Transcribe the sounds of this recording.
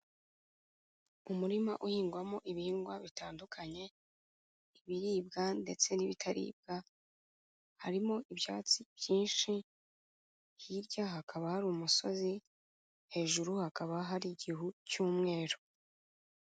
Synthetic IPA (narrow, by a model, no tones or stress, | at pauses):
umuɾimaʔuhiːŋɡwamoʔiβiːŋɡwaβitaːndukʰaɲe̞ | iβiɾiːb̚ɡande̞t͡se̞niβitʰaɾḭːb̚ɡ̥a | haɾimoʔibja̰ːt͡sib̥jiːnʃi | hiɾɟahakʰaβahaɾumuso̞zi | he̞ːʒuɾuhakaβaɦaɾiɟiɦucuːmŋe̞ːɾo